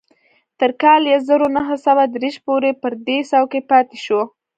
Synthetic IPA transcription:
t̪əɾkɑljazəɾonaɦəsawad̪ɾeʃpoɾepəɾd̪esawkepɑt̪eʃo

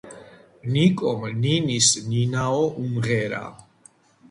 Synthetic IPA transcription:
nikʼɔmninisninaɔʔumʁɛɾa̰

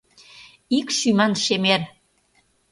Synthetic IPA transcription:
ikʃymɑnʃemer

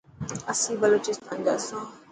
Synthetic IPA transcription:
asibalot͡ʃist̪anɡasã

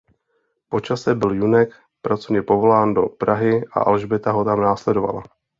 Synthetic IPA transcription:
po̞t͡ʃasɛbɪljunɛk | pɾat͡sovɲɛpo̞vo̞laːndo̞pɾaɦɪʔa̰ʔa̰lʒbɛt̪aɦo̞t̪amnaːslɛdo̞va̰la̰

